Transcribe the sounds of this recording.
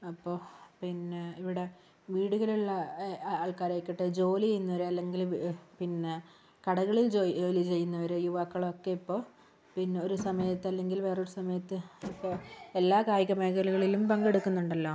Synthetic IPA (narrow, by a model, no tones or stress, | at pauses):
ɐpːo̞ːpinːeiʋiɽe̞ | ʋiːɽuɣɐluɭːɐaːɭkaːɾeːkːiʈːɨd͡ʑo̞ːlienːuʋɐɾeɐlːe̞ŋɡilpinːe̞ | kɐɽɐɣɐɭild͡ʑooːlit͡ɕe̞jːunːɐʋɐɾejuʋaːkːɐɭo̞kːe̞ipːo̞ː | pinːeo̞ɾusɐmɐjɐt̪ːɐlːe̞ŋɡilʋe̞ːroɾusɐmɐjɐt̪ːɨipːo̞ːe̞lːaːkaːjɐɣɐmeːɣɐluɣɐɭilumpɐŋɡeɽukːunːuɳɖɐlːoː